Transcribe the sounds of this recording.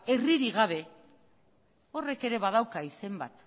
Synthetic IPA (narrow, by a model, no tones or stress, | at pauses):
e̞riɾiɣaβ̞e̞ | o̞re̞ke̞ɾe̞βað̞awkaise̞mba̰t̪